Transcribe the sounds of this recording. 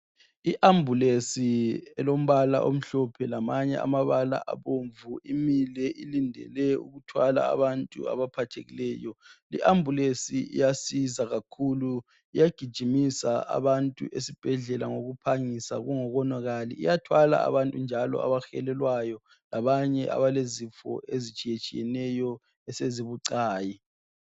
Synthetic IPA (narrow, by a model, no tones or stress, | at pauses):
iʔambʱulesiɛlom̩βala̰ʔo̰m̩ɬɔpʰɛlamaɲɛ̰a̰maβala̰ʔaβoɱvuimilɛʔilindʱɛ̰lɛṵɣutʰwala̰ːβantʼṵa̰βapʰatʰeɣilɛːjɔliʔambʱulesiḭjasizaɣakʰulu | ijaɡ̥ʱid̥ʒ̥ʱimisaa̰βantʼṵʔesib̥ʱɛɮɛlaŋoɣupʰaŋisa̰ɣuŋɔɣɔnwaɣalḭḭjatʰwala̰a̰βantʼund͡ʒʱalɔ̰a̰βaxɛlɛlwajɔ | laβaɲɛʔa̰βalezifɔ̰ʔezit͡ʃʼijet͡ʃʼijɛnɛjɔ | ɛseziβuǀaːji